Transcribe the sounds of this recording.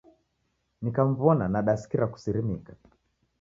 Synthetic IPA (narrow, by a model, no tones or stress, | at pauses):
nikam̩vɔnanaɗasi̥kiɾaku̥siɾimika